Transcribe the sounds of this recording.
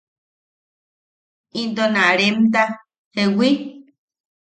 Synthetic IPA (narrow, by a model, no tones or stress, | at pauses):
ind̪onaɾemt̪a | hewi